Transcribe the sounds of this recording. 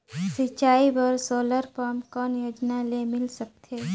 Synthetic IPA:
sɪt͡ʃaːibɐɾsoːləɾpaːmkɔːnjoːd͡ʒnalemɪlsək̚t̪ʰeː

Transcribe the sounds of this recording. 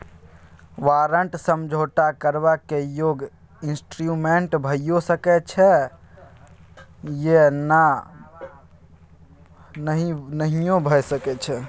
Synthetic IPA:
ʋaɾəɳʈsəmd͡ʒʱoʈakəɾbakːejoɡ | insʈɾumeɳʈbʱəjosəkɛt͡ʃʰɛ | jena | nəɦinəɦijõbʱəsəkɛt͡ʃʰɛ

